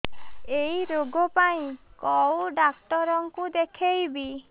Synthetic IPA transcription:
eiɾoɡɔpaĩkɔwɖakʈɔɾɔŋkud̪ekʰejbi

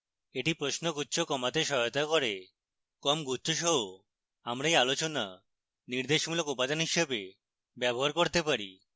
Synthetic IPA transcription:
eʈipɾoʃnoɡutːɕʰokɔmat̪eʃɔot̪akoɾe | kɔmɡutːʃʰoʃɔɦo | amɾajalot͡ɕona | niɾd̪eʃmulokupad͡ʑanɦiʃebe | bɛboɦaɾkoɾt̪epaɾḭ

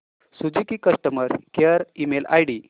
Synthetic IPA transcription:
sud͡zikikəʂʈəməɾkeəɾimela̰jɽi

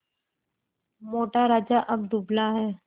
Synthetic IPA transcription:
moːʈaɾaːd͡ʒaʔɐb̚d̪ublaɦɛː

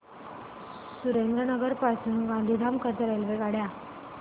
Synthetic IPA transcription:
suɾend̪ɾənəɡəɾpasuːnɡãnd̪ʱid̪ʱamkat̪aɾajlʋeɡaɽja

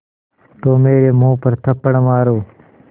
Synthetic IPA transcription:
t̪oːmeːɾeːmũːpəɾt̪ʰəpːəɳmaːɾoː

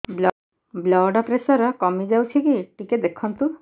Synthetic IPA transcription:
bl | blɔɖɔpɾesɔɾɔkɔmid͡ʒawt͡ʃʰikiʈiked̪ekʰɔnt̪u

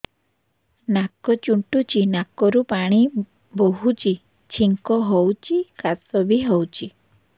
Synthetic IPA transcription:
nakɔt͡ʃuɳʈut͡ʃinakɔɾupaɽ̃i | boɦut͡ʃi | t͡ʃʰiŋkɔɦowt͡ʃʰikasɔbʱiɦowt͡ʃʰi

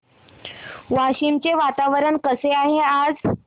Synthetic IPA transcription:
ʋaɕimt͡seʋat̪aʋəɾəɳkəseaɦead͡z

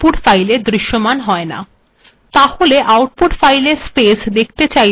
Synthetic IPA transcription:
puʈfajleɾd̪ɾiʃːomanɦɔena̰ | t̪aholeʔawʈ̚puʈfajleɾspesd̪ek̚ʰt̪et͡ɕaj

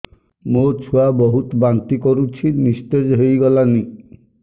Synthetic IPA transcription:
mot͡ʃʰuabɔɦut̪ɔbant̪ikɔɾut͡ʃʰinist̪ed͡ʒɦejɡɔlani

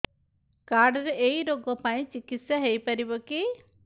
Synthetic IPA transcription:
kaɾɖɾeʔejɾoɡɔpaj̃t͡ʃikit̪sjaɦejpɐɾibɔki

